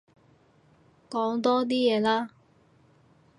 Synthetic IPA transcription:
kɔː˨˥ŋt̪ɔː˥t̪̬iː˥jɛː˨˧laː˥

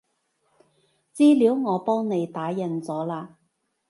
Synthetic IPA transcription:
t͡siː˥liː˨˥wŋɔː˨˧pɔː˥ŋne˨˧jt̪aː˨˥jɐ˨nt͡sɔː˨˥laː˧

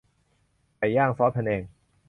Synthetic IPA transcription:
pa˧˩jːaː˥˩ŋfɔː˦˥pʰɛ˧nʔeː˧˩ŋ

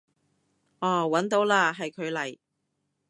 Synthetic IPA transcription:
ʔɔː˨˩wɐ˨˥nt̪o˨˥wlaː˧ɦɐ˨jkʰɵ˨˧ɥlɐ˨˩j

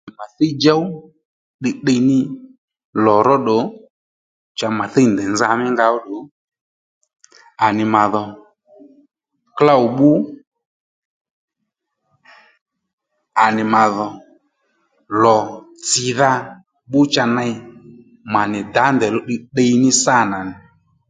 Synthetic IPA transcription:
ma˨θe˦d͡ʒa˦w | ɗɪ˧ɗə˧nɪ˦ | lɔ˨ɾɔ˦ɗɔ˨˦ | t͡ʃa˧ma˨θe˦˨ndɛ˨nza˧mɪ˦ŋɡa˧ɔ˦ɗɔ˨ | a˨nɪ˨ma˨ðɔ˨ | kla˦u˨ɓu˦ | a˨nɪ˨ma˨ðɔ˨ | lɔ˨t͡sɪ˨ða˧ | ɓʊ˦t͡ʃa˧na˧j | ma˨nɪ˨da˨˦ndɛ˨lɔ˦ɗi˧ɗə˧jnɪ˦sa˦˨na˨nɪ˨

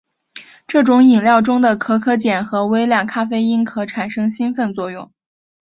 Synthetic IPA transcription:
ʈ͡ʂɤ˥˩ʈ͡ʂʊ˧˥ŋi˨˩ŋljɑ˥˩ʊʈ͡ʂʊ˥ŋd̪ə˨kʰɤ˧˥kʰɤ˥t͡ɕjɛ˨˩nxɤ˧˥we˥ɪljɑ˥˩ŋkʰa˥fe˥ɪi˥nkʰɤ˧˥ʈ͡ʂʰa˨˩nʂɤ˥ŋɕi˥nfə˥˧nt͡swɔ˥˧jʊ̰˥˩ŋ

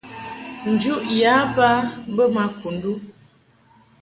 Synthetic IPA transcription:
n̩˨d͡ʒu˦ʔja˨˦ba˦bə˦ma˨ku˨ndu˦

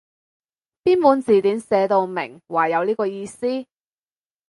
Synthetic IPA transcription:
piː˥npuː˨˥nt͡siː˨˩t̪iː˨˥nsɛː˨˧t̪o˧wmɪ̰˨˩ŋwaː˨˩jɐ˨˧wliː˥kɔː˧jiː˧siː˥

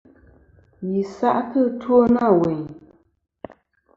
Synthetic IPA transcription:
ji˨sa̰˦ʔtə˦two˦na˦˨we˨ɲ

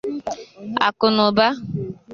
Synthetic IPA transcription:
a̰˨kʊ˨nʊ˨ba˦

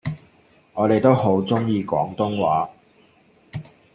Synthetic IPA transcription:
ŋɔː˨˧t̪e˨jt̪o˥who˨˥wt͡sʊ˥ŋjiː˧kɔ̰ː˨˥ŋt̪ʊ˥ŋwaː˨˥

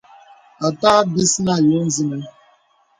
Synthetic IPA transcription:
a˨taː˦ɡɪ˦si˦na˦˨jo˦n̩˦zi˦ne˦

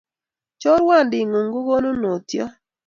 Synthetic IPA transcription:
t͡ʃɔ˦ɾwa˦˨ndɪ˨ŋu˨ŋɡu˦ɡo˦no˦no˨tjɔ˦

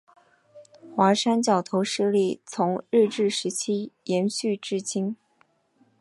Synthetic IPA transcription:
xwa˧˥ʂa˥nt͡ɕjɑ˨˩ʊt̪ʰo˧˥ʊʂɻ̩˥˧li˥˩t͡sʰʊ˧˥ŋɻ̩˥˧ʈ͡ʂɻ̩˥˩ʂɻ̩˧˥t͡ɕʰi˥jɛ˧˥nɕy˥˧ʈ͡ʂɻ̩˥˩t͡ɕi˥ŋ

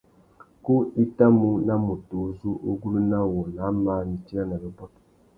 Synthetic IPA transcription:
ku˦i˦ta˦mu˦na˦mu˨toː˨˦zu˦ʔo˦ɡu˦lu˦na˦wu˨ɾna˨˦maː˦ni˨t͡ʃi˦a˦na˨lə˨ba˦t

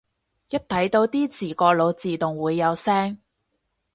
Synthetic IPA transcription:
jɐ˥t̚t̪ʰɐ˨˥jt̪o˧wt̪iː˥t͡siː˨˩kɔː˧lo˨˧wt͡siː˨t̪ʊ˨˩ŋwuː˨˧jːɐ˨˧wsɛː˥ŋ

